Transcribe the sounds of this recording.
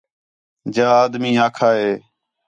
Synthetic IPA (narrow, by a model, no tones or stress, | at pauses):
d͡ʒaːaːd̪mĩːaːkʰaːɦeː